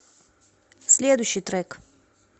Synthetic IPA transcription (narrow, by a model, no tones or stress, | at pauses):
slʲeːd̪ujʃit̪ɾɛk